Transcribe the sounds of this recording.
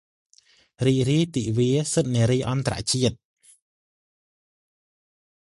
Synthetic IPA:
riːk̚riəjt̪iːʔʋiəsət̪̚niəɾijʔɑnt̪ara̰ʔt͡ɕiət̪̚

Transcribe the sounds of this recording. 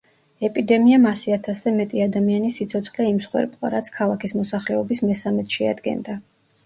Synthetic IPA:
ɛpʼid̪ɛmiamasiat̪ʰaszɛmɛt̪ʼiad̪amianisit̪sʰɔt̪sʰχlɛimsχwɛ̰ɾpʼqʼa̰ɾat̪sʰkʰalˠakʰismɔsaχlɛɔbismɛsamɛt̪ʰʃɛa̰d̪ɡɛ̰nd̪a

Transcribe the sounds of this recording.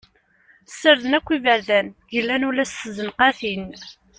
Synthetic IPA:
sːəɾðənækʷːivəɾðænjəlːænulæsəzənqæθin

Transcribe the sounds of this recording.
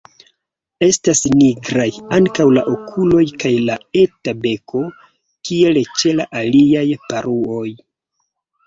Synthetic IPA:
e̞stasniɡɾajaŋkawlaʔokʰulo̞jkajlaetabe̞kʰo̞ | kie̞lt͡ʃelaʔaliajpaɾuo̞j

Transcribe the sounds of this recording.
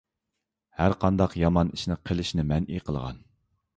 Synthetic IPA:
hæɾqʰɑnd̪ɑqjɑmɑniʃnɪqʰəlˠɪʃnɪmɛnʔiqʰəlˠʁɑ̰n

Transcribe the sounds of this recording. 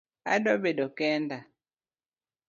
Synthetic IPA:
a̰dɔbedɔkɛnda

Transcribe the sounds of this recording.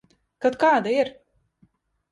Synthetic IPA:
kat̪kaːd̪aiɾ

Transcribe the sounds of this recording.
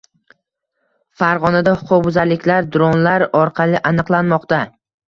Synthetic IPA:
faɾʁɒnad̪ahʊ̥qʰʊqbʊzaɾlɪkʲlaɾd̪ʊɾɒnlaɾɒɾqʰɑlˠɪʔanɨqlˠanmɒqt̪a

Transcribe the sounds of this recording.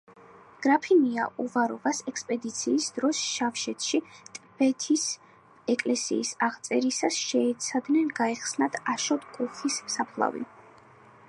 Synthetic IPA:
ɡ̥ɾapʰinia̰ʔuvaɾɔvasɛkspʼɛd̪it̪sʰiːsd̪ɾɔsʃafʃɛt̪ʰʃit̪ʼb̥ɛt̪ʰis | ɛkʼlɛsḭːsaʁt̪sʼɛɾisasʃɛːt̪sʰad̪nɛnɡaɛχsnat̪ʰaʃɔt̪kʼuχissapʰlˠa̰vḭ

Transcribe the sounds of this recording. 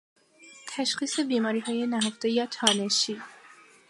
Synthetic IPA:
t̪ʰæʃxiːse̞biːmɒːɾiːɦɒːje̞næɦoft̪e̞jɒːt̪ʰɒːneʃiː

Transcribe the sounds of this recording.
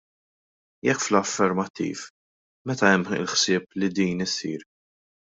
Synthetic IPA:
jɛkːflɐfːɛɾmɐt̪ːḭːf | mɛt̪ɐɛmːɪ̰lħsɪːplid̪iːnɪsiːɾ

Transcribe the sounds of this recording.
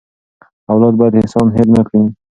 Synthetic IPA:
awlɑd̪̚bɑjad̪ɪsɑmɦɪlnakɽi

